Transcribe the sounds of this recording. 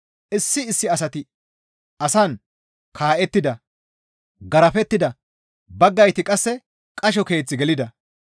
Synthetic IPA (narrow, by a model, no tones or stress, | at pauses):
ʔɪsːɪɪsːɪɐsɐt̪ɪ | ʔɐsɐn | kʰaːʔɛt̪ːɪd̪ɐ | ɡɐɾɐfɛt̪ːɪd̪ɐ | bɐɡːɐjt̪ɪkʼɐsːɛ | kʼɐʃ̬ɔke̞ːt͡sːɪɡɛlɪd̪ɐ